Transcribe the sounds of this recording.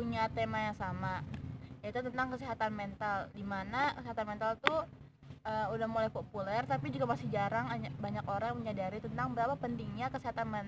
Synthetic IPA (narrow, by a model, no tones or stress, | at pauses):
puɲat̪emajaŋsamajait̪ut̪ənt̪aŋkəsiɦat̪anmɛnt̪aldimanakəsiɦat̪anmɛnt̪alt̪u | əmudahmulajpopulɛrt̪apid͡ʒuɡamasid͡ʒaɾaŋaɲabaɲakoɾaŋməɲadaɾit̪ənt̪aŋbəɾapapənt̪iŋɲakəsiɦat̪anmɛn